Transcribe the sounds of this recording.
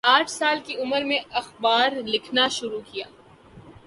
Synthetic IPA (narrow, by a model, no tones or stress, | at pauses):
aːʈʰsaːlkiʊməɾmẽɐxbaːɾlɪkʰnaʃʊɾukijaː